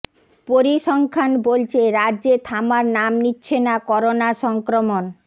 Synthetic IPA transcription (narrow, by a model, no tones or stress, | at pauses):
poɾiʃɔŋkʰanbolt͡ɕʰeɾadːʑet̪ʰamaɾnamnitːɕʰenakɔɾonaʃɔŋkɾomon